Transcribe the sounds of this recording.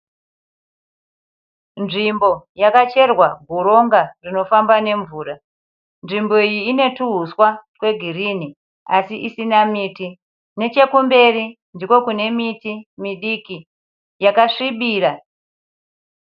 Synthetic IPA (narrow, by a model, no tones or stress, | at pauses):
nʐimbo̞jakat͡ʃe̞rwaɡʱuɾo̞ŋɡarino̞fambane̞ɱvuːra | nʐimbo̞ijiːne̞tuɦuswakwe̞ɡʱirini | asiʔisinamiːti | ne̞t͡ʃe̞kumbe̞ri | ndiko̞kune̞mitimiɗiki | jakaʂiɓiːra